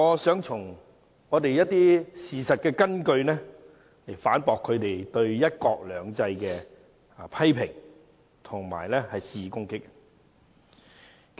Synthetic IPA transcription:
ɔː˨˧sœː˨˥ŋt͡sʰʊ˨˩ŋ | ŋɔː˨˧t̪e˨jjɐ˥t̚t̪ːiː˥siː˨sɐ˨t̚kɛː˧kɐ˥nkɵ˧ɥnɛː˥ | le˨˩jfaː˨˥npɔː˨kʰːɵ˨˧ɥt̪e˨jt̪ɵ˧ɥjɐ˥t̚kɔː˧k̚lœː˨˧ŋt͡sɐ˧jkɛː˧ | pʰɐ˥jpʰɪ˨˩ŋ | t̪ʰʊ˨˩ŋma̰ː˨˩jlɛː˥hɐ˨jsiː˨˧kʊ˥ŋkɪ˥k̚

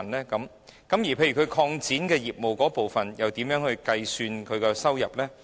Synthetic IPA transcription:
nlɛː˥kɐ˨˥m | kɐ˨˥mjiː˨˩pʰe˧jy˨˩kʰɵ˨˧ɥkʰɔː˧ŋt͡siː˨˥nkɛː˧jiː˨˩p̚mo˨wkɔː˨˥po˨wfɐ˨njɐ˨wt̪iː˨˥mjœː˨˥ŋhɵ˧ɥkɐ˧jsyː˧nkʰɵ˨˧ɥkɛː˧sɐ˥wjɐ˨˩p̚lɛː˥

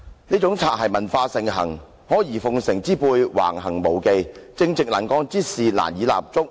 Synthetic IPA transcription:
niː˥t͡sʊ˨˥ŋt͡sʰaː˨˩t̚ɦɐ˨jmɐ˨˩nfaː˧sɪ˨˩ŋɦɐ̰˨˩ŋ | hɔː˨˥jiː˨˩fʊ˨˧ŋsɪ˨˩ŋt͡siː˥puː˧jwa̰ː˨˩ŋɦɐ˨˩ŋmo˨˩wke˧jt͡sɪ˧ŋt͡sɪ˨k̚la˨˩nkɔː˧ŋt͡siː˥siː˨la̰ː˨˩njiː˨˥la̰ː˨p̚t͡sʊ˥k̚

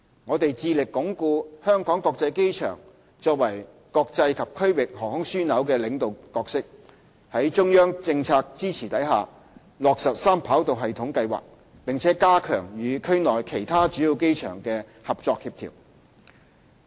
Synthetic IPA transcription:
ŋɔː˨˧t̪e˨jt͡siː˧lɪ˨kːʊ˨˥ŋkuː˧hœː˥ŋkɔː˨˥ŋkɔː˧k̚t͡sɐ˧jke˥jt͡ʃʰœ̰ː˨˩ŋ | t͡ʃɔː˧k̚wɐ˨˩j | kɔː˧k̚t͡sɐ˧jkʰɐ˨p̚kʰɵ˥ɥwɪ˨k̚hɔː˨˩hʊ˨˥ŋsyː˥nɐ˨˥wkɛː˧lɪ˨˧ŋt̪o˨wkɔː˧ksɪ˥k̚ | hɐ˨˥jt͡ʃʊ˥ŋjœː˥ŋt͡sɪ˧ŋt͡sʰaː˧k̚t͡siː˥t͡sʰiː˨˩t̪ɐ˨˥jɦa̰ː˨ | lɔː˨k̚sɐ˨t̚saː˥mpʰaː˨˥wt̪o˨wɦɐ˨jt̪ʰʊ˨˥ŋkɐ˧jwa̰ː˨˩k̚ | pɪ˨ŋt͡sʰɛː˨˥kaː˥kʰœ̰ː˨˩ŋjyː˨˧kʰɵ˥ɥnɔː˨jkʰe˨˩jt̪ʰaː˥t͡ʃyː˨˥ji˧wke˥jt͡ʃʰœ̰ː˨˩ŋkɛː˧ | hɐ˨p̚t͡sɔː˧k̚hiː˧p̚t̪ʰḭː˨˩w

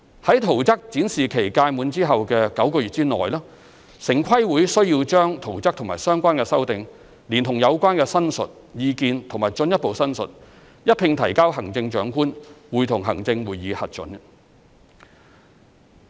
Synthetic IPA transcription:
hɐ˨˥jt̪ʰo˨˩wt͡sɐ˥k̚t͡siː˨˥nsiː˨kʰe˨˩jkaː˧jmuː˨˧nt͡siː˥ɦɐ˨wkɛː˧kɐ˨˥wkɔː˧ɥyː˨˩t͡siː˥nɔ̰ː˨˩jlaː˥ | sɪ˨˩ŋkʰɐ˥jwuː˨˥jsɵ˥ɥjiː˧wt͡ʃœː˥ŋt̪ʰo˨˩wt͡sɐ˥k̚t̪ʰʊ˨˩ŋmaː˨˩jsœː˥ŋkʷaː˥nkɛ˧sɐ˥wt̪ɪ˨ŋ | liː˨˩nt̪ʰʊ˨˩ŋjɐ˨˧wkʷaː˥nkɛ˧sɐ˥nsɵ̰˨t̚ | jiː˧kiː˧nt̪ʰʊ˨˩ŋmaː˨˩jt͡sɵ˧njɐ˥t̚po˨wsɐ˥nsɵ̰˨t̚ | jɐ˥t̚pʰɪ˧ŋt̪ʰɐ˨˩jkaː˥wɦɐ˨˩ŋt͡sɪ˧ŋt͡ʃœː˨˥ŋkuː˥nwuː˨jt̪ʰʊ˨˩ŋɦɐ̰˨˩ŋt͡sɪ˧ŋwuː˨jːiː˨˧hɐ˨t̚t͡ʃɵ̰˨˥n

